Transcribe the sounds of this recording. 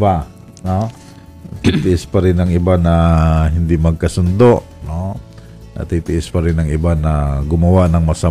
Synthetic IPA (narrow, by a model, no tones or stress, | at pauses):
ba | no | t̪it̪ɪʔɪspaɾɪnɐŋɪbanaɦɪnd̪ɪmɐɡ̚kɐsʊnd̪oʔ | no | nʔɐ̰t̪it̪ɪʔɪspaɾɪnɐŋɪbanaɡʊmɐwaʔnɐŋmɐsa